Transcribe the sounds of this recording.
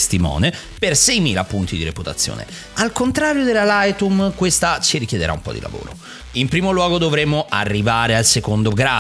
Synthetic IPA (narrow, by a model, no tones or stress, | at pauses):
st̪imɔ̰ːne | persɛjmiːlapunt̪id̪iɾeput̪at̪sːjo̰ːnʔḛ | alkont̪ɾaːɾjod̪elalajt̪umkwest̪at͡ʃiɾikjed̪eɾʔa̰ṵmpɔ̰d̪ḭlʔa̰vo̰ːɾo̰ | impɾiːmolwɔːɡod̪ovɾemːoʔarːivaːɾealsekond̪oɡɾa